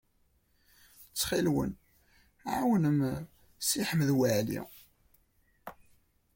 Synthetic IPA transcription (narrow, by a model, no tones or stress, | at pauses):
t͡sːχilwə̰n | ʕawənəm | siħəmðwəʕlḭ